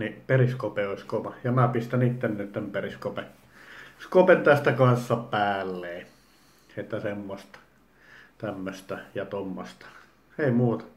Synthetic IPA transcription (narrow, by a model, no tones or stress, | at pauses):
niperiskopeoˑisʲkoʋɑjɑmæpist̪ænit̪ːenːyt̪t̪æmperiskopen | kopent̪æst̪ækɑnsːɑpæːlːeː | et̪ːæsemːost̪ɑ̥ | t̪æmːøst̪æjɑt̪omːost̪ɑ̥ | eˑimuːt̪ɑ̥